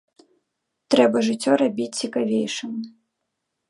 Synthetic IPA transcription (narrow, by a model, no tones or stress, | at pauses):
t̪ɾɛbɐʐɨt͡sʲːɔɾabʲit͡sʲt͡sʲikavʲejʂɨm